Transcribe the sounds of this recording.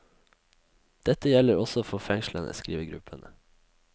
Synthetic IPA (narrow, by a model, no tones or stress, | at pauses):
d̪̥ɛt̪əjɛləɾɔsɔoːfoːfɛŋʃlənə̰skɾiːʋəɡɾʉ̰pʰənə